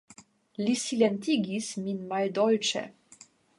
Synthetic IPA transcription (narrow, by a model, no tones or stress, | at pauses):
lisilent̪iɡisminmald̪ɔlt͡ʃḛ